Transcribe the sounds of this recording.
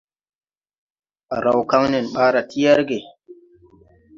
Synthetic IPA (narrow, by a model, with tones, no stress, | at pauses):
ɾa˨wka˦ŋnɪ˨nɓaː˦ɾa˨tɪ˦jɐ˦ɾɡe˨